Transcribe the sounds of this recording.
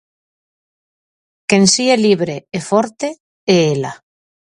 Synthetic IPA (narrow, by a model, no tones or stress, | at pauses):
kensieliβɾeefoɾt̪e | eela̰